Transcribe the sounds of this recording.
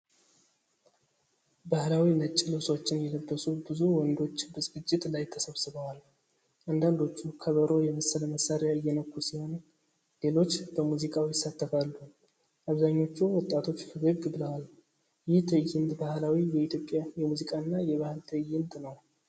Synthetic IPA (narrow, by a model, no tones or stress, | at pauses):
bahlawinət͡ʃʼːɪluswot͡ʃːɪnjɛləbːəsubɨzuwɔnd̪o̞t͡ʃːbəzɨɡɨt͡ʃʼːɪt̪lajt̪ʰːəsəβsɨβəwal | ʔand̪and̪o̞t͡ʃːukʰəβəɾo̞jɛməsːələməsːaɾeaɨjːɛnəkʼːusiho̞n | le̞lo̞t͡ʃːbəmuzikʼawijɪsːat̪ʰːəfalːu | ʔaβzaɲːo̞t͡ʃːɛwɔt̪ʼːat̪ʰo̞t͡ʃːfəɡəɡbɨləwal | jɪht̪ʰəjːɪnt̪ʼbahlawijɛit̪jo̞pʼːjajɛmuzikʼanːajɛβahɨlt̪ʰəjːɪnt̪ʼnəw